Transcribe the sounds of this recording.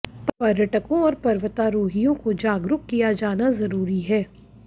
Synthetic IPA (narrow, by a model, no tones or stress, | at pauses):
ppɐɾjəʈəkõɔːɾpɐɾʋət̪aːɾoːɦijõkod͡ʒaːɡɾʊkkːijad͡ʒaːnazɐɾuːɾiɦɛː